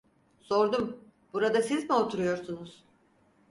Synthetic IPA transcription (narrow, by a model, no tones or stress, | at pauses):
so̞ɾd̪um | b̥uɾad̪asizmiot̪ʰuɾujo̞ɾsunuz̥